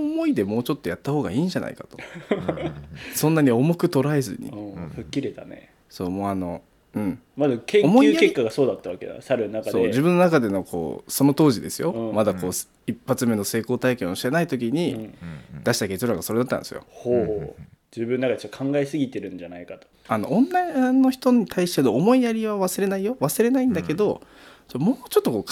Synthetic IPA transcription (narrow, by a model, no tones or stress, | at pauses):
omo̞id̪e̞mo̞ːt͡ɕo̞t̪ːo̞jat̪ːaho̞ːɡa̰iːɲd͡ʑanʔa̰ikat̪o | sõ̞nːaɲ̟io̞mo̞kɯ̟t̪o̞ɾae̞zɨ̰ɲ̟ḭɯ̃ːɸɯ̟kʲːiɾe̞t̪a̰nḛ | so̞ːmo̞ːano̞ | ɯ̟̃ɴmazakẽŋomoiɨːakekːaɡaso̞ːd̪at̪ːaβaked̪ã̰saɾɯnnakasoːd͡ʑibɯ̃nːo̞nakad̪e̞no̞kʰo̞̰ːso̞no̞t̪o̞ːʑid̪e̞sɨjo̞ɯ̃mad̪ako̞ːs | ipːat͡sɨme̞no̞se̞ːko̞ːt̪aikẽo̞ɕi̥t̪enait̪o̞k̬ʲiɲ̟i | d̪̥aɕi̥t̪ake̞t͡ɕoɾaɡaso̞ɾe̞d̪at̪ːa̰nd̪esɨjo̰hoːho | d͡ʑɨːbɯ̃nːakad̪et͡ɕot̪ːokʰãŋɡaesɨɡʲit̪e̞ɾɯ̟̃ɲd͡ʑanaikat̪o̥ | ano̞̰ʔõnːaĩanːo̞çi̥t̪o̞ɲ̟it̪ʰaiɕi̥t̪enoːmo̞ijaɾʲiβaβasɨɾe̞naijoβasɨɾe̞naĩnd̪ake̞d̪o̞ | mo̞ːt͡ɕo̞t̪ːo̞ko̞ːk